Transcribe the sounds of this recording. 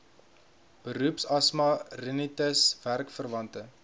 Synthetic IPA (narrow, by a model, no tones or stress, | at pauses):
b̥əɾupsɐsmɐrənitəsværkfərvɐntə